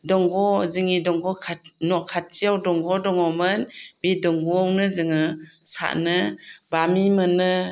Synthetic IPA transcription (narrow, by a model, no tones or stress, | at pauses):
dɔŋɡɔzɯŋidɔŋɡɔkʰanɔkʰat̚t͡ʃiawdɔŋɡɔdɔŋɔmɯnbidɔŋɡɔawnɯzɯŋɯsa̰ʔnɯbamimɯnɯ